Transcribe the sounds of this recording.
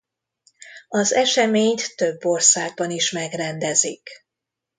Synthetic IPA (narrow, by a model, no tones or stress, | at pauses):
ɒzɛʃɛmeːɲt̪t̪øbːo̞rsaːɡ̚bɒniʃmɛɡrɛnd̪ɛzik